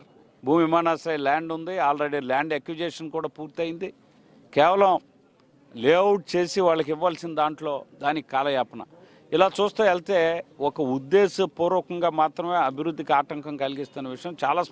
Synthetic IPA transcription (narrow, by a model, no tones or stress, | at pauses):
bʱuːmiʋimaːnaːsɐɾelaːɳɖund̪iaːlɾeɽilaːɳɖekjud͡ʒeːʂɐnkuːɽaːpuːɾt̪ɐjind̪i | kɛːʋɐlɐm | leːɐwʈ̚t͡ʃe̞ːsiʋaːɭːɐk̬iʋːaːlsinɐd̪aːɳʈlo̞ːd̪aːnikikaːlɐjaːpɐnɐ̰ | ilaːt͡ʃuːst̪uːɛlt̪e̞ːɔkɐud̪ːeːsɐpuːɾɔːkɐŋɡaːmaːt̪ɾɐmeːɐbʱiɾud̪ʱːikiaːʈɐŋkɐmkɐliɡist̪unːɐʋiʂɐjɐmt͡ʃaːlaːs